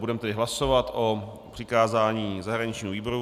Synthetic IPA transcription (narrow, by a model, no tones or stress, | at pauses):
budɛmɛt̪ɛdɪɦlaso̞vat̪ʔo | pr̥ɪkaːzaːɲiːzaɦɾaɲɪt͡ʃɲiːɦoviːboɾu